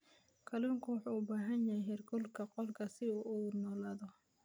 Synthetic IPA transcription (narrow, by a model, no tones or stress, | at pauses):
kʰɐluːŋkʰʊwɑħuːʊbaːɦɐnjɐjɦɛrɡʰɔlkʰɐqɔlkʰɐsɪuːnɔːlaːðɔ